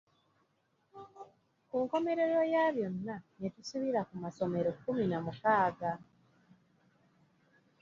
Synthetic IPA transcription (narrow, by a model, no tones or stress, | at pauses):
kuŋko̞me̞ɾe̞ɾo̞jaβjo̞nːanetusuβiɾakumaso̞me̞ɾo̞kːuminamukaːɡa